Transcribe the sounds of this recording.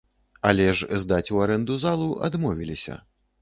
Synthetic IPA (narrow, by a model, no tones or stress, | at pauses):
alʲɛʂzd̪at͡sʲuaɾɛnd̪uzalˠuʔa̰d̪mɔvʲilʲisʲɐ̰